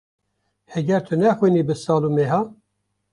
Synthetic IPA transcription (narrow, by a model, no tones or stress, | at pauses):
hɛɡɛɾt̪ʰɨnɛxwiːniːbɨsɑːlumeːɦɑː